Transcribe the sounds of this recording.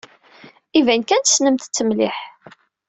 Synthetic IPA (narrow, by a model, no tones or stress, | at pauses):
ivænkænt̪ə̥snəmt̪t͡sːəmliħ